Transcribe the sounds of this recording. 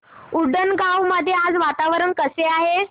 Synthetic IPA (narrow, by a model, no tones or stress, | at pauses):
uɽənɡawməd̪ʱːjead͡zʋat̪aʋəɾəɳkəseaɦe